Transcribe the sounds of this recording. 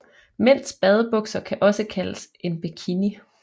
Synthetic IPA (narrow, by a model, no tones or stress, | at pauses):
men̰sb̥ɛð̞ˠəb̥ɔ̽ɡ̥sɐkʰæʔɒ̽səkʰæləsʔe̝nb̥ekʰini